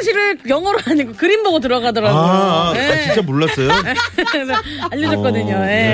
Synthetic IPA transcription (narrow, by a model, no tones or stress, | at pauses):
ɕ̬ʰiɾɯɭjʌŋʌɾoɦaɲiɡokɯɾimbʌɡot̬ɯɾʌɡadʌɾaoeat͡ɕint͡ɕ͈amoɭːʌs͈ʌjoe | aʎːʌd͡ʑʌt̚k͈ʌdɯɲoje̞